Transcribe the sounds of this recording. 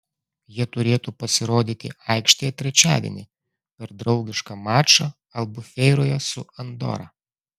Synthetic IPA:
jiɛt̪ʊɾʲeːt̪uːpɐsʲɪɾoːd̪ʲiːt̪ʲɪ̰ɐɪkʃʲt̪ʲejɛt̪ʲɾʲɛt͡ʃʲæ̰ːd̪ʲḭnʲi | pʲɛɾd̪ɾɒʊɡʲɪʃkɐmɑːt͡ʃɐ | ɐlˠbʊfʲɛɪɾoːjɛsʊɐnd̪ɔ̰ɾɐ̰

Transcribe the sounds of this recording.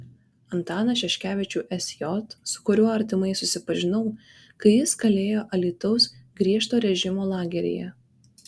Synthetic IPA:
ɐnt̪ɑːnɐʃʲɛʃʲkʲæːʋʲɪt͡ʃʲuːʔɛsʲjɔt̪sʊ̥kʊɾʲuɔɐɾʲt̪ʲɪmɐɪsʊsʲɪpɐʒʲɪnɐʊ | kɐɪjɪskɐlʲeːjoːʔɐlʲit̪ɐʊsɡɾʲiɛʃt̪oːɾʲɛʒʲɪmoːlˠɑːɡʲɛɾʲḛjɛ̰

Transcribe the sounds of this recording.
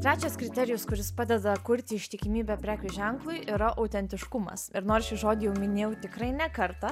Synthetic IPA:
t̪ɾʲæːt͡ʃʲɛskɾʲɪt̪ʲɛɾʲɪjʊskʊɾʲɪspɑːd̪ʲɛd̪ɐkʊɾʲt̪ʲɪɪʃʲt̪ʲɪkʲɪmʲiːbʲɛpʲɾʲæːkʲʊʒʲɛŋklˠʊɪʔiɾɐʔɐʊt̪ʲɛnʲt̪ʲɪʃkʊmɐ̰sɪɾnoːɾʃʲɪʒoːd̪ʲɪjɛʊmʲɪnʲeːjɛʊt̪ʲɪkɾɐɪnʲɛkɐɾt̪ɑ

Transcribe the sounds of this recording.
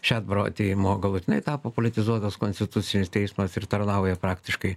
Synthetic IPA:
ʃʲæːd̪bɾoɐ̰t̪ʲeːjɪmoːɡɐlˠʊt̪ʲɪnɐɪt̪ɑːpopolʲɪt̪ʲɪzuɔt̪ɐskonʲsʲt̪ʲɪt̪ʊsʲɪnʲɪst̪ʲɛɪsmɐsɪrt̪ɐɾnɐʊjɛpɾɑːkt̪ʲɪʃkɐɪ

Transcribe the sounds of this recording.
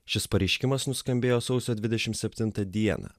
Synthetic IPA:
ʃʲɪspɐɾʲɛɪʃʲkʲɪmɐsnʊskɐmʲbʲeːjoːsɒʊsʲoːd̪ʲʋʲɪd̪ʲɛʃʲɪmsʲɛpʲt̪ʲɪnt̪ɐd̪ʲiɛnɐ̰

